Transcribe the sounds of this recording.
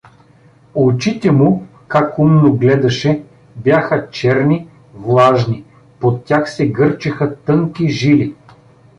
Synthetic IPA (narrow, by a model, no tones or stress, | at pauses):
ot͡ʃit̪ɛmu | kakumnoɡlɛd̪ɐʃɛ | bjaxət͡ʃɛɾni | vlˠaʒni | pot̪ːʲjaxsɛɡɤɾt͡ʃixət̪ɤŋkiʒili